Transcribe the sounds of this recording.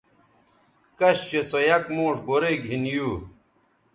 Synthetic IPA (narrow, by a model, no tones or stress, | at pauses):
kɐɕɕesojɐkmoːʂboɾeɡʱinjuː